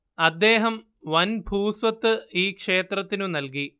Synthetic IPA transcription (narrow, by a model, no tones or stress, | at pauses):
ɐd̪ːe̞ːɦɐm | ʋɐnbʱuːsʋɐt̪ːɨiːkʂe̞ːt̪rɐt̪ːinunɐlki